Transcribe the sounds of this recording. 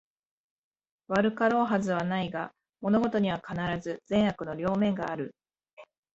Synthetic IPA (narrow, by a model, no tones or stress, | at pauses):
βaɾɯ̟kaɾo̞ːɦazɨβ̞anaiɡa | mo̞no̞ɡo̞t̪o̞ɲ̟iβ̞akanaɾazɨzẽ̞ɰ̃hakɯ̟no̞ɾʲo̞ːmẽ̞ŋɡaːɾɯ̟